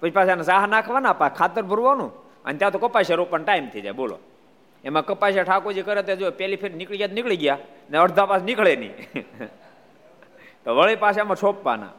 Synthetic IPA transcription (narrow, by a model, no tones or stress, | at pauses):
pət͡ʃipaːʃanesaɦanakʰʋanapakʰaːt̪əɾbʱʊɾʋanũː | ə̰nt̪jat̪okəpːaʃeɾopːənʈaːimt̪ʰid͡ʒa̰jbolo̰ | emãkəpːaʃ̬aʈʰaːkod͡ʒikəɾjet̪ed͡ʒopɛlipʰeɾnɪkɭiɡjat̪nɪkɭiɡjaneəɾd̪ʱapasnɪkɭenḭː | t̪oʋəɭepaːʃamãt͡ʃʰopʋa̰ːna̰